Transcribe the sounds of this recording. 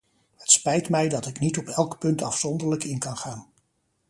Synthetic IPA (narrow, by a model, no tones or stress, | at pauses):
hətspɛjtmɛjdɑtɪknitɔpɛlˠkpɵntɑfsɔndəɹləkɪnkɑnχaːn